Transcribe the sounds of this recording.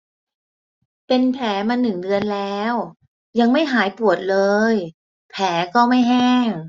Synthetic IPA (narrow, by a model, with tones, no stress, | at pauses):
pe˧npʰɛː˩˦maː˧nːɯ˨˩ŋdɯ˧ənlɛː˦˥w | ja˧ŋma˥˩jɦaː˩˦jpu˨˩ət̪̚lɤː˧j | pʰɛː˩˦kɔː˥˩ma˥˩jɦɛː˥˩ŋ